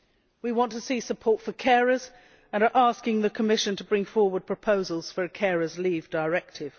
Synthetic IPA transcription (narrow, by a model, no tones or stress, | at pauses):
wiwɒ̃ntʰəsisəpʰɔɹtfəkʰɛɹəz | ə̃nə˞ʔɑˑskɪ̃ŋðəkʰəmɪʃɨ̃ntʰəbɹɪ̃ŋfɔɹwəd̚pʰɹ̥əpʰoʊzəlˠz̥fə˞ɨkʰɛɹəzliːvdəɪɹɛk̚tʰɪv̥